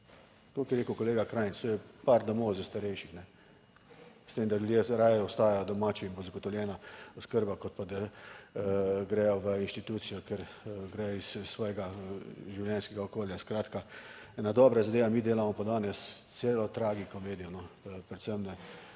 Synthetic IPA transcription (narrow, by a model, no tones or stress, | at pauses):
k̪okɛɾeːkʊkɔleːɡakɾaːjnst̪oːjɛpaɾd̪ɔmɔwzəst̪aɾɛjʃixnɛ | st̪eːmd̪aljud̪jeɾaːjɛɔst̪aːjajɔd̪ɔmaːt͡ʃiinbozaɡɔt̪ɔwljɛːnaɔskəɾbakɔt̪̚pad̪a | ɡɾɛjɔʋəinʃt̪it̪uːt̪sijɔkɛɾɡɾɛjɔissːʋɔːjɛɡaʒiwljɛnskɛɡaɔkoːljaskɾaːt̪ka | ɛːnad̪ɔːbɾazad̪eːʋamiːd̪eːlamɔpad̪aːnɛst̪seːlɔt̪ɾaːɡikɔmeːd̪ijɔnɔpɾɛt̪səmnɛ